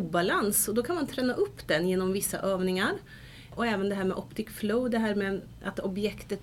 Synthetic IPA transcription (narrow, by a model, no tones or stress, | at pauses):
balansɔd̪ɔkʰanmant̪ʰɾɛːnːaʔɵpːd̪ɛnjeːnɔmvɪsːa̰ʔøːvnɪŋaɾ | ʔɔɛːvənd̪ɛɦæːɾmɛʔɔpt̪ʰɪkfloʊd̪ɛɦæːɾmɛ | ʔat̪ɔbjɛkt̪ət̪